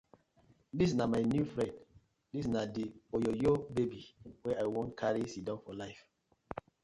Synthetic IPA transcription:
dis̬namaɪnjufɹɛ̃nd | disnadiɔjɔjobebiwɛaɪwɔ̃ntkʰaɹisidɔ̃nfɔlaɪf

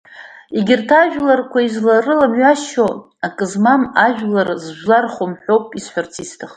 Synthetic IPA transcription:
iɡʲɪrtʰaʒᶣlarkʷʰaizlarɨlamɥaʃo | akʼɨzmamaʒᶣlarzʒlarχomħʷᶣowpʼisħʷart͡sʰistʰaχtʼ

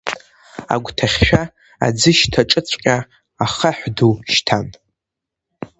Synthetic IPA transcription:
a̰ɡʷtʰaχʲʃᶣa | a̰d͡zɨʃtʰaʈ͡ʂʼɨt͡sʷʰʼqʲʼa | aχaħʷduʃtʰan

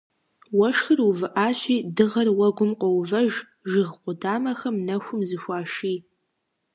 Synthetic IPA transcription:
wɐʂxɨruvɨʔaːɕiːdɨʁɐrwɐɡʷʊmqʷɔwvɐʒ | ʒɪɣqʷʊdaːmɐxɐmnɐxʷʊmzɨʃʷɑːʃiː

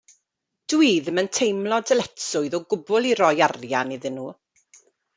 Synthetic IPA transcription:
d̥wiːðməntʰejmlˠɔdəlɛtsʊɨðɔɡʊbʊlˠiɾɔjarjaniðɪnuː

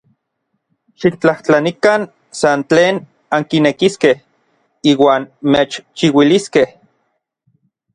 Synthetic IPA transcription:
ʃikt͡ɬaht͡ɬanikan | sant͡ɬeːn | aŋkinekiskeh | iːwaːnmeːt͡ʃt͡ʃiwiliskeh

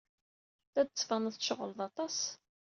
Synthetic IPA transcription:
θæd̪̚t͡sːvɑnəðʃəʁəlðˤɑt̪ˤɑs

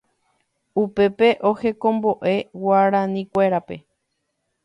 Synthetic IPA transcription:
upe̞pe̞ʔo̞he̞kõ̞mbo̞ʔe̞waɾãnĩkʷe̞ɾape̞

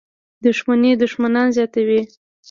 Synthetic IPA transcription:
d̪ʊʃmaned̪ʊʃmanɑnzjɑt̪awi

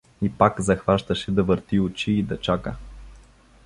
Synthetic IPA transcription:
ipakzɐxvaʃt̪əʃɛd̪ɐvəɾt̪iʊt͡ʃiːd̪ɐt͡ʃakə

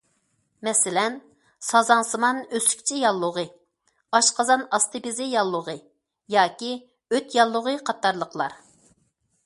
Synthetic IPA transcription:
mɛsɪlɛn | sɑzɑŋsɨmɑnøsy̥kʲt͡ʃʰijɑlˠːʊʁɨ | ɑʃqɑzɑnɑst̪ɨbɪzɪjɑlˠːʊʁɨ | jɑːkʲi | øt̪jɑlˠːʊʁɨqʰɑt̪ːɑɾlˠəqlˠɑɾ

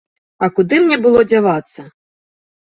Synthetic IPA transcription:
ɐkud̪ɨmnʲɛbɨlˠɔd͡zʲavat̪sːɐ

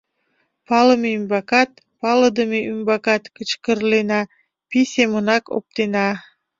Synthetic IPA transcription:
pɑlˠəmembɑkɑt̪̚ | pɑlˠə̆d̪əmeʔymbɑkɑt̪kət͡ʃkə̆ɾlenɑ | pisʲemunɑko̰p̚t̪enɑ

